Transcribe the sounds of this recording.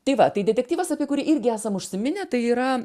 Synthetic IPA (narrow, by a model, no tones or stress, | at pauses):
t̪ɐɪʋɐt̪ɐɪdʲɛtʲɛkt̪ʲiːʋɐsɐːpʲiɛkʊɾʲɪʔɪɾʲɡʲɪæːsɐmʊʃʲsʲɪmʲɪnʲɛt̪ɐɪiːɾɐ